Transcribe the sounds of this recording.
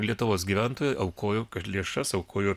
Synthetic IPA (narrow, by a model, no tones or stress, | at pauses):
lʲiɛt̪ʊʋoːsɡʲiːʋʲæˑnt̪oːjoːʔɐʊkoːjoːkɐʃlʲiɛʃɐsɐʊkʰoːjoː